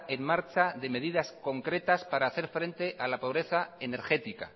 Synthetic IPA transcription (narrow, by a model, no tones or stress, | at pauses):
e̞nmaɾt͡ʃaðe̞me̞ðiðasko̞ŋkɾe̞t̪aspaɾaːθe̞ɾfɾe̞nt̪e̞ʔalapo̞βɾe̞θae̞ne̞ɾxe̞t̪ika̰